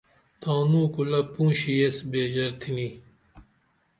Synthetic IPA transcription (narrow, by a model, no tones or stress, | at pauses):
t̪ãːnũːkulɐpũːɕijesbeːd͡ʑɐɾt̪ʰini